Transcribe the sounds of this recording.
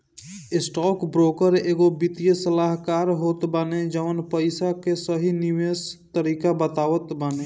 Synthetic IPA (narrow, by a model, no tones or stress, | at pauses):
ɪsʈɔːkbɾoːkəɾeːɡobit̪ijəsəlaːɦkaːɾɦoːt̪baːned͡ʒəʋənpəɪsakesəɦinɪʋeːst̪əɾiːkabət̪aːʋət̪baːne